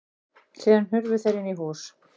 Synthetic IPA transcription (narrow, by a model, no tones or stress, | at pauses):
siːðanhʏɾvʏ̥θejɾɪnːiɦuːs